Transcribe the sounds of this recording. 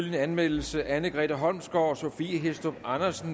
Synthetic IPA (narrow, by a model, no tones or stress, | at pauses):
lənænmel̰l̩səʔænəɡ̥ʁɛ̰ːd̥æɦɒ̽lmsɡ̥ɒɒ̽so̝fiɦesd̥ob̥ɑ̈nɐsn̩